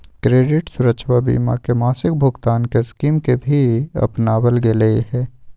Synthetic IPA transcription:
kɾeːɖɪʈsʊɾəʃʰwabḭːmakemaːsɪk̚bʱʊɡt̪aːnkeskiːmkebʱiɐ̰pnaːwəlɡeleeɦɛ̃ː

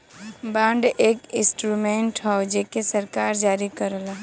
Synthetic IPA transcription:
bãːɳɖeːkɪ̃sʈɾumẽːɳʈɦɔod͡ʒeːkesəɾkaːɾd͡ʒaːɾikəɾla

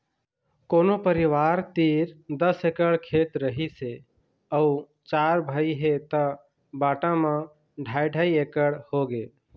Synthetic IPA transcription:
koːnopəɾiʋaɾt̪iɾd̪əsekəɽkʰet̪ɾəɦise | əu | t͡ʃaɾbʱəiɦet̪ə | baːʈãmã | ɖʱajɖʱaiekəɽhoɡe

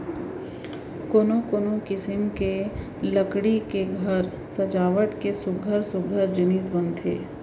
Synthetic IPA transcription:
koːnokoːnokɪsɪmke | ləkɽikeɡʱəɾ | sɐd͡ʒaːʋəʈkesʊɡʱəɾsʊɡʱəɾd͡ʒɪniːs̬bə̃nt̪ʰḛː

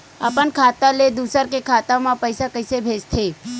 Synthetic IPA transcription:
apəɳkʰat̪aled̪usəɾkekʰaːt̪amãpəjsakəɪsebʱed͡ʒt̪ʰe

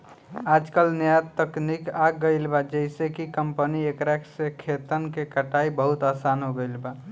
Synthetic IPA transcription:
ad͡ʒkəlnjat̪ːəknikaɡəɪlbad͡ʒəɪsekikəmpəniekɾɛksekʰet̪ənkekəʈaibəɦut̪asanɦoɡəɪlba

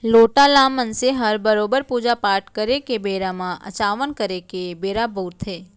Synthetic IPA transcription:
loʈalãmːənseɦəɾbəɾobəɾpud͡ʒapaɾʈkəɾekebeɾamãʔə̰t͡ʃaʋənkəɾekebeɾabʱut̪ʰe

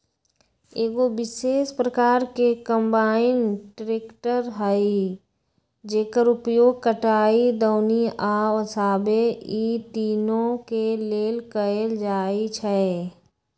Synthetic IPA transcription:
eːɡoʋɪʃeːʃpɾəkaːɾkekə̃mbaːɪnʈɾɪkʈəɾɦəi | d͡ʒeːkəɾʊpjoːɡ̚kəʈaːid̪əːniaːɐsaːbeiːt̪iːnõkeleːlkəeld͡ʒaːit͡ʃʰɛ

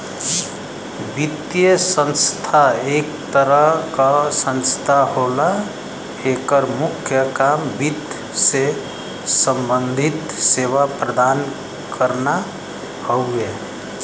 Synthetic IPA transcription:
bit̪jəsə̃nst̪ʰaekt̪əɾəɦkasə̃nst̪ʰaɦola | ekəɾmukʰjəkambit̪ | se | səmbənd̪ʱit̪seʋapɾəd̪an | kəɾna | həue

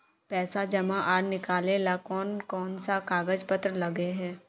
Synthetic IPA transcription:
pɛːsad͡ʒɐmãʔaːɽnɪkaːleːlakɔːnkɔːnsakaːɡəd͡ʒpət̪ɾəlɐɡeɦɛ̃ː

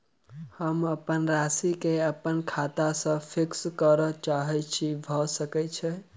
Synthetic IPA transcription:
həməpənɾasikeəpənkʰat̪asə̃pʰikskəɾət͡ʃaɦɛt͡ʃʰibʱɔsəkɛt͡ʃʰɛ

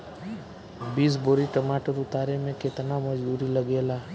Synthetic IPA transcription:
biːs̬boːɾiʈəmaːʈəɾʊt̪aːɾemẽket̪namɐd͡ʒbuːɾilɐɡeːlaː

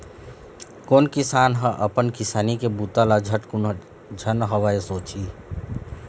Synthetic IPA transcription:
koːnkɪsaːnɦə̃ʔəpənkɪsaːnikebut̪alad͡ʒʱəʈk | d͡ʒʱənɦəwaesoːt͡ʃi

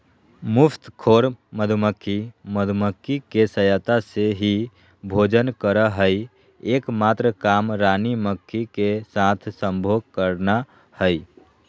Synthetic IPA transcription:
mʊpʰt̪kʰoːɾməd̪ʱuməkʰːiməd̪ʱuməkʰːikesəjət̪aseɦi | bʱoːd͡ʒənkəɾəɦəi | eːkmaːt̪ɾəkaːmɾaːniməkʰːikesat̪ʰsəmbʱoːɡ̚kəɾna | həi

